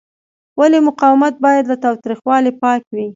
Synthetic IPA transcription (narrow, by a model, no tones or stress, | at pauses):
walemʊqɑwɪmat̪̚bɑjad̪lat̪ɑwt̪ɾixwɑlepɑkwi